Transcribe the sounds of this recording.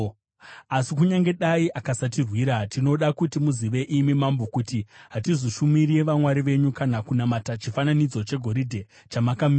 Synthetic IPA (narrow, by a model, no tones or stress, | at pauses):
asikuɲaŋɡe̞ɗaiʔakasatirwiːɾatino̞ɗakutimuziʋe̞ʔimimambokutiɦatizoʃumiɾieʋamwaɾiʋe̞ɲukanakunamatat͡ʃifananid͡zo̞t͡ʃe̞ɡʱo̞ɾidʱe̞ | t͡ʃamakami